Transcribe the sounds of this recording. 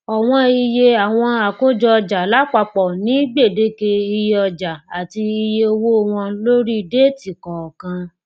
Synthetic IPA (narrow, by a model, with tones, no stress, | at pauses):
ɔ˨w̃ɔ̃˧i˧je˧a˨w̃ɔ̃˧a˨ko˦d͡ʒɔ˧d͡ʒa˨la˨˦k͡pa˧k͡pɔ˨nĩ˨˦ɡ͡be˦˨de˨˦ke˧i˧je˧ɔ˧d͡ʒa˨a˨ti˧i˧je˧o˧wo˦˨w̃ɔ̃˧lo˦ɾi˦˧˦de˦ti˨kɔ̃˨kã˧